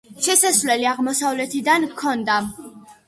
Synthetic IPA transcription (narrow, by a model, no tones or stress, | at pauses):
ʃɛsasvlɛliaʁmɔsavlɛt̪ʰid̪ankʰɔnd̪a